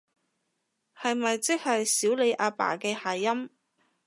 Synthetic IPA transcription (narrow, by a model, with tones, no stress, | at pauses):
hɐ˨jmɐ˨jt͡sɪ˥k̚hɐ˨jsiː˨˥wle˨˧jʔaː˧pa̰ː˨˩kɛː˧haː˨˩jɐ˥m